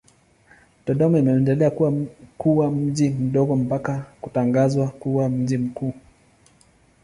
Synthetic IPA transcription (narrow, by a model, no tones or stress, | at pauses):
tɔɗɔmɔimɛɛndɛlɛakuwakuwam̩ʄim̩ɗɔɡɔm̩pakakutaŋɡazwakuwam̩ʄim̩kuː